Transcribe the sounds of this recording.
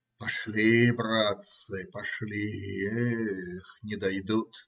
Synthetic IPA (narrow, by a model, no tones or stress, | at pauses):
pɐʃlʲibrat̪sɨpɐʂlʲi | xnʲɪd̪ajd̪ut̪